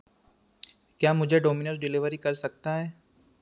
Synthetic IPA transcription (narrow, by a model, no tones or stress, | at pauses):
kjaːmʊd͡ʒʱeɖoːmɪnəs̬ɖɪlɪʋəɾikɐɾsɐk̚t̪aɦɛː